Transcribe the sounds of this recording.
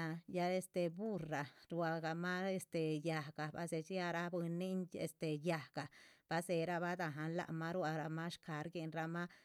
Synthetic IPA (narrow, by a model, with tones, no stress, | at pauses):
a˧ja˧e˦˧st̪e˨bu˦ra˨ɾwa˧ɡa˧ma˦e˧st̪e˨ja˨ɡ̥a˨ba̰˧se˧t͡ʃi˦a˧ɾa˧bu˧ni˦nḛ˧st̪e˨ja˨ɡ̥a˨b̥a˧se˧ɾa˧ba˦d̪a˧ɦa˧nla̰˧ʔma˦ɾwa˧ɾa˧ma˦ʃka˨˦ɾɡe˧nɾa˧ma˦